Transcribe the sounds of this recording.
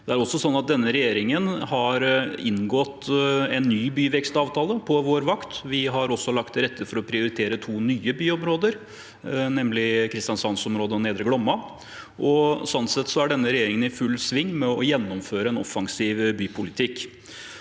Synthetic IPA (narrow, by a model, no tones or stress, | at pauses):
d̪̥ɛæɾɔsːɔsɔnːɑt̪̚d̪ɛnːəɾɛjeːɾɪŋənhɑɾɪnɡɔt̪ɛnːyːbyːʋɛkst̪ɑːʋt̪ʰɑːləpʰɔʋoːɾʋɑkt̪ʋɪɦɑɾɔsːɔlɑkt̪ɾɛt̪ːəfɔɾɔpʰɾɪʊɾɪt̪ʰeːɾət̪ʰuːnyːəbyːɔmɾoːd̪əɾ | nɛmlɪkʰɾɪst̪ɪɑnsɑnsɔmɾoːd̪əɔneːd̪ɾəɡlɔmːɑ | ʔɔsɔnt̪sɛt̪ːsɔæɖɛnːəɾɛjeːɾɪŋənɪfʉlːsʋɪŋːmɛɔjɛnːɔmføːɾəɛnɔ̰fɑŋsiːʋbyːpʰʊlɪt̪ʰɪkː